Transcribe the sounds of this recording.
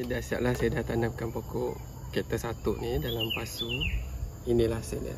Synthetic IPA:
idaʔsia̰ʔ̚lahsajadaht̪anamkanpokɔʔ | keʔt̪əsat̪ʊʔnidalampasu | inĩlahsada̰

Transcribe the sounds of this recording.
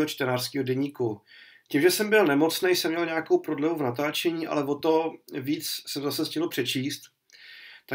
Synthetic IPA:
ɦot͡ʃt̪ɛnaːr̥skiːɦodɛɲiːku | cimʒɛsɛmbɪlnɛmo̞t͡snejsɛmɲɛlɲeakowpɾo̞dlɛvuvnat̪aːt͡ʃɛɲiːʔa̰lɛvo̞t̪o̞viːt͡ssɛmzasɛscɪlopr̝̥ɛt͡ʃiːst̪ | t̪a

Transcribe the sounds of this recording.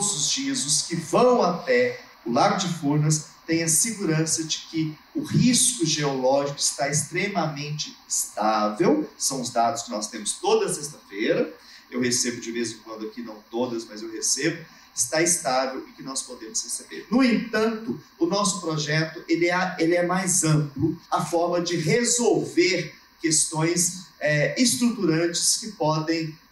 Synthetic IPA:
zʊzd͡ʒiɐzʊskɪvɐ̃w̃at̪ɛ | ʊlaɡʊd͡ʒɪfuɾnɐst̪ẽj̃ɐsɪɡuɾɐ̃sɐd͡ʒɪkɪ | ʊhiskʊʒeolɔʒikʊɪst̪aest̪ɾemɐmẽnt͡ʃɪːst̪avewsɐ̃w̃ʊzd̪ad̪ʊskɪnɔst̪ẽmʊst̪od̪ɐsest̪ɐfeɾɐewhesebʊd͡ʒɪvezẽkwɐ̃nd̪ʊɐkinɐ̃w̃t̪od̪ɐsmɐzewɦesebʊ | ɪst̪aɪst̪avewɪkɪnɔspod̪ẽmʊshesebḛɾnʊẽnt̪ɐ̃nt̪ʊʊnɔsʊpɾoʒɛt̪ʊʔelɪɛelɪɛmajzɐ̃plʊɐfɔɾmɐd͡ʒɪɦezowveɾ | kest̪õj̃sɛɪst̪ɾut̪uɾɐ̃t͡ʃɪ̥skɪpɔd̪ẽj̃

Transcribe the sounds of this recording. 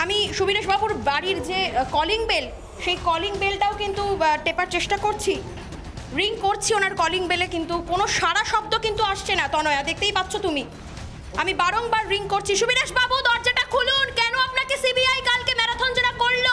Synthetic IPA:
amiʃubiɾeʃbabuɾbaɽiɾd͡ʑekɔliŋbel | ʃejkɔliŋbelʈaokint̪uʈepaɾt͡ɕeʃʈakoɾt͡ɕʰi | ɾiŋkoɾt͡ɕʰionaɾkɔliŋbelekint̪ukonoʃaɽaʃɔb̚d̪okint̪uaʃt͡ɕʰenat̪ɔnoead̪ek̚ʰt̪ejpat̪ːɕʰot̪umi | amibaɾoŋbaɾːiŋkoɾt͡ɕʰiʃubiɾeʃbabud̪ɔɾd͡ʑaʈakʰulunkɛnoapnakesibiajkalkemɛɾad̪ʱɔnd͡ʑeɾakoɭːo

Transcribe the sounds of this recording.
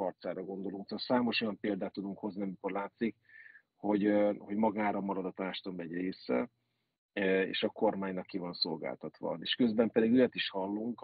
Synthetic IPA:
ɒrt̪saːɾɒɡo̞nd̪o̞luŋkt̪oːt̪saːmo̞ʃo̞jɒmpeːld̪aːt̪ːud̪uŋkho̞zniɒmiko̞rlaːt̪sik | ho̞ɟho̞ɟmɒɡaːɾɒmɒɾɒd̪ɒt̪aːʃt̪omːɛɟreːsɛ̰ | ḛːʃɒko̞rmaːɲnɒkːivɒnso̞lɡa̰ːlt̪ɒt̪ʋɒ̰eːʃkø̞zbɛmpɛd̪iɡøjɒt̪iʃhɒlːuŋk

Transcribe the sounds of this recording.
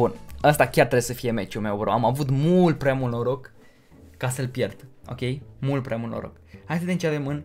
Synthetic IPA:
bunəst̪akʲaɾrt̪ɾebjsəfije̞me̞t͡ʃulme̞wvəɾoamavut̪mult̪̚pɾeamulnoɾokː | asəlpjerd̪̥o̞̰kʲe̞jmult̪̚pɾeʔamulnoɾo̰khajt̪ad̪ʲent͡ʃevemɨn

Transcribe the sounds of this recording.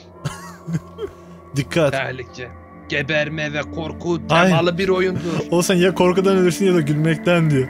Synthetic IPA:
d̪ikʰːat̪ɛlʲicʰɛ | ɟ̥ebɛɾmɛvɛkʰoɾkʰut̪ʰejalˠɯbiɾo̞jund̪uɾolˠsanjakʰo̞ɾkud̪anølʲiɾsinjad̪aɟylʲmɛc̚t̪ʰænd̪ijo

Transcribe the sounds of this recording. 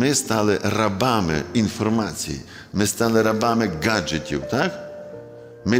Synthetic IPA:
ɛst̪alɛrabamɛ̰infɔɾmat̪sḭ | mɛst̪alɛɾabamɛɡad͡ʒɛt̪ṵt̪ak | mɛ

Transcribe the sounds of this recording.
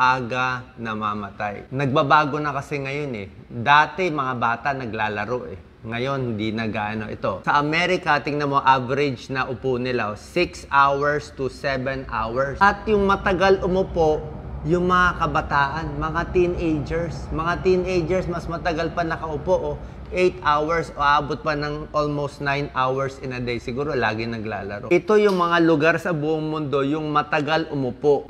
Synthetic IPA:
ʔaːɡɐnɐmamɐt̪a̰jnɐɡ̚bɐbaːɡo̞nɐkɐsɛŋɐjo̞nɛ̰ | d̪aːt̪ɛmɐŋabaːt̪ɐʔnɐɡlaːlɐɾo̞ʔɛ̰ | ŋɐjo̞nhɪnd̪inɐɡaːʔɐno̞ʔɪ̰t̪o̞sɐʔɐmɛɾɪkɐt̪ɪŋnɐmo̞ʔavɛɾɪd͡ʒnɐʔʊponɪlasɪksʔawɛɹst̪ʊsɛvɛnʔawɛɹsʔɐt̪̚jʊŋmɐt̪ɐɡalʔʊmʊpo̞ʔjʊŋmɐŋakɐbɐt̪aːʔɐnmɐŋat̪inʔejd͡ʒɛɹsmɐŋat̪inejd͡ʒɛɹsmɐsmɐt̪ɐɡalpɐnɐkɐʔʊpoʔo | ʔejt̪ʔawɛɹsoʔʔaːbot̪̚pɐnɐŋʔolmowst̪̚najnʔawɛɹsɪnɐd̪ejsɪɡuːɾo̞la̰ːɡɪnɐɡla̰ːlɐ̰ɾoʔɪt̪o̞jʊŋmɐŋalʊɡaɾsɐbuːʔʊŋmʊnd̪o̞jʊŋmɐt̪ɐɡalʔʊmʊpoʔ

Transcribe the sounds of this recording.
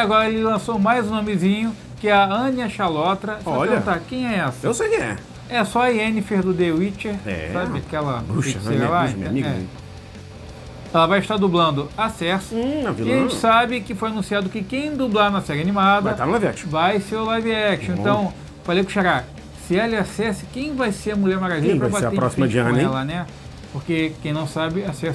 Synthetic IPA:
aɡɔɾɐelɪlɐ̃somajzũnõmɪzĩɲʊ | kɪɐɐ̃niɐʃalɔt̪ɾɐɔapeɐũt̪aɾkẽj̃ɛɛsɐewsejkɪ̃ɛ̰ | ɛsɔɐiẽnɪfeɾd̪ʊd̪ewit͡ʃeɾɛ̰sabɪakɛlɐpuɐselã̰mĩɛ̰ | ɛlɐvajɪʃt̪aɾd̪ublɐ̃nd̪ʊasɛsʊ̃aviʒẽt͡ʃɪsabɪkɪfojanũsiad̪ʊkɪkẽj̃d̪ublaɾnɐsɛɾɪanimad̪vɐjt̪anlavɛ̰t͡ʃvajseɾʊlaviɛt͡ʃẽnt̪ɐ̃w̃ | falejkʊ̃ʃaɾa | sɪelɪasɛsɪ̥kẽj̃vajseɐmulɛmaɡaʒĩɐ̃pɾvabat̪seɐẽpɾɔssimɐiãnɛlanɛ | poχkekẽj̃nɐ̃w̃sabɪasɛs

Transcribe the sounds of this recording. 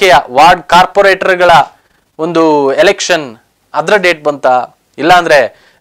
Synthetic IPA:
ɛjɐʋaːɾɖkaːɾpoːɾeːʈɐɾɡɐɭɐ | ond̪uelekʂɐn | ɐd̪ɾɐɖe̞ːʈ̚bɐnt̪a | ilːɐːnd̪ɐɾe̞

